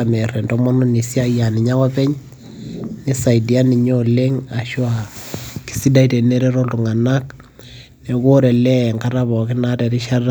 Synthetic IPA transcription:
amɛ˨rɛ˨ndɔ˦mɔ˦nu˦ni˨sja˦ja˨nɪ˨ɲa˦wa˦pɛ˦ɲ | ni˦sa˨idi˨a˦ni˨ɲo˦le˦ŋa˨ʃwa˨ki̥˨si˦da˦i˦te˨ne˦ɾe˦ɾɔ˦ltu˨ŋa˨na˦k | ne˨ko˦ɾɛ˨lɛ˦ŋkaɾaβɔ˨kɪ˦na˦te˨ɾi˦ʃa˦ra˦

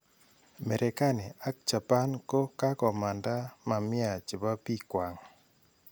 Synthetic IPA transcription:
mɛ˨ɾʔɛ˨ka˦ne˨a˦k̚t͡ʃa˨pa˦nko˦ka˦kɔ˨ma˨nda˦ma˨mɪ˦a˨t͡ʃɪ˨ba˦pi˦kwa˨ŋ

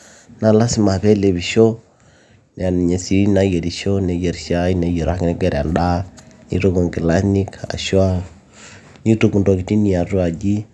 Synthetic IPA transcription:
na˨la˦si˦ma˨βɛ˦le˨βi˨ʃo˦ | ne˨a˨ni˨ɲe˨si˦na˦je˨ɾi˨ʃo˦nɛ˨je˨ɾʃa˦i˦ne˨je˨ɾa̰˨knɛ˦ɡɛ˦ɾa˨nda˦nḭ˦ɾo˦ko˨ŋɡi˨la˦ni˦ka̰˨ʃwa˦ | ɲi˦tu˦˨ku˨ndo˨ki˨ti˦ni˨a˨ɾu˦a˨d͡ʒi˦

